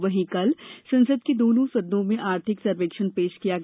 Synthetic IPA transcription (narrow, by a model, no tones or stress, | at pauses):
ʋɐɦĩkɐlsɐ̃nsəd̪ked̪oːnõsɐd̪ːõmẽʔaːɾt̪ʰɪksɐɾʋeːkʃənpeːʃkijaɡ